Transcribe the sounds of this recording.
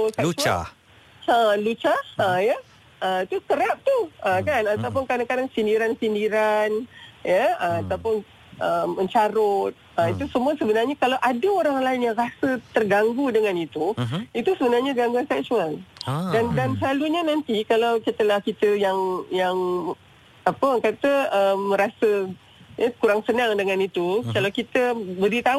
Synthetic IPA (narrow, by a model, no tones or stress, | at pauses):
sɛkua̰ | əlut͡ʃahəjə | əit̪ukəɾap̚t̪uəkanat̪awp̬ʊnkadaŋkadaŋsindiɾansindiɾanjəəmat̪awpʊn | ʔəmːə̃ɲt͡ʃaɾʊt̪̚əit̪usəmũasəbənarɲakalawʔadəoɾaŋlaɪnjaŋrasət̪ərɡaŋɡudəŋãnit̪uit̪usəbənarɲaɡaŋɡuansɛk̚sualdandansəlaluɲanant̪ikalawkit̪əlahkit̪əjaŋjaŋ | apəkat̪əəmːə̃ɾasə | jəkuɾaŋsənãŋdəŋãnit̪ukalawkit̪əbəɾit̪a